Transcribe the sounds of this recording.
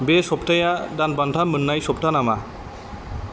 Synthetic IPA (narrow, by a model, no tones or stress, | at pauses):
besɔpʈajadan̚bantʰamɯnːajsɔp̚ʈanama